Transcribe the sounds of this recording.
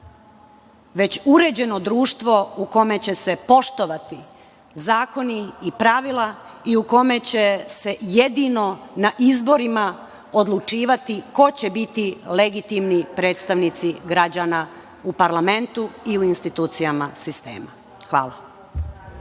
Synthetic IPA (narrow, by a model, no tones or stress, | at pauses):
ʋe̞t͡ɕuɾe̞d͡ʑe̞no̞d̪ɾuːʃt̪ʋo̞uko̞me̞t͡ɕe̞se̞po̞ʃt̪o̞ʋat̪i | zaːko̞niːpɾaʋilˠaiuko̞me̞t͡ɕe̞se̞jed̪ino̞naʔizbo̞ɾima | o̞d̪lˠut͡ʃiːʋat̪iko̞t͡ɕe̞bit̪ile̞ɡit̪imnipɾe̞ːt̪st̪aʋnit̪siɡɾad͡ʑana | upaɾlame̞nt̪uiuinst̪it̪uːt̪sijamasist̪e̞̰ːma̰ | xʋa̰ːlˠa